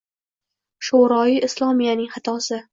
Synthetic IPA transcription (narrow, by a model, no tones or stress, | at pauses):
ʃoɾɒiʔɪslˠɒmijanɪŋhat̪ʰɒsɪ